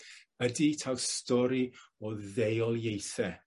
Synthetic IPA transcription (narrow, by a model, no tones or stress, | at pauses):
əditʰawstɔɾiɔðejɔlˠjejθɛ